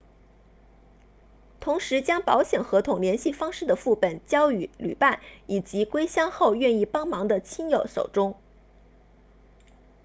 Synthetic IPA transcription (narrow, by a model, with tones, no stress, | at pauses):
t̪ʰʊ˧˥ŋʂɻ̩˧˥t͡ɕjɑ˥ŋpɑ˧˥ʊɕjɛ˨˩nxɤ˧˥t̪ʰʊ˨˩ŋljɛ˧˥nɕi˥˩fɑ˥ŋʂɻ̩˥˩d̪ə˩fu˥˩pə˨˩nt͡ɕjɑ˥ʊy˨˩ly̰˨˩pa˥˩ni˨˩t͡ɕi˧˥kwe˥ɪɕjɑ˥ŋxo˥˧ʊɥɛ˥˧ni˥˩pɑ˥ŋmɑ˧˥ŋd̪ə˧t͡ɕʰi˥njo˨˩ʊʂo̰˨˩ʊʈ͡ʂʊ˥ŋ